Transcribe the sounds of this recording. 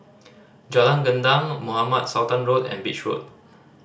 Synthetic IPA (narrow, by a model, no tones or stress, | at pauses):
d͡ʒalãŋɡəndãŋmuhamat̚sawtãnɹotɛ̰̃nbit͡ʃɹo̰t̚